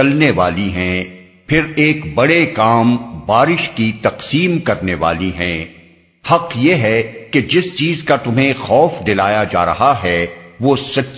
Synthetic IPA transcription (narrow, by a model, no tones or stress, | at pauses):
ɐlneʋaːliɦɛ̃ | pʰɪɾeːkbɐɽekaːmbaːɾɪʃkit̪ɐqsiːmkɐɾneʋa̰ːliɦɛ̃ː | hɐqjeːɦɛked͡ʒɪst͡ʃiːzkat̪ʊmɦẽxɔːfd̪ɪlaːjad͡ʒa̰ːɾɐɦaɦɛʋoːsɐtː